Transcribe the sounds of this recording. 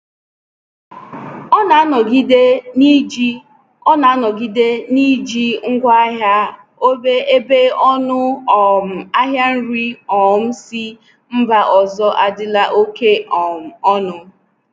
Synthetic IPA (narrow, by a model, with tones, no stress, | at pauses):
ɔ˦na˨˦nɔ˨ɡi˦de˦ni˦d͡ʒi˦ | ɔ˦na˨˦nɔ˨ɡi˦de˦ni˦d͡ʒi˦ŋ̩˦ɡʷa˦a˦ɦa˦ | o˦be˦e˦be˦ɔ˦nʊ˦ɔ˨m̩˨a˦ɦja˦n̩˦ɾi˦ɔ˨m̩˦si˦ | m̩˦ba˦ʔɔ˨zɔ˦ʔa˨dɪ˦la˦ʔo˦ke˦ɔ˨m˨ɔ˦nʊ˦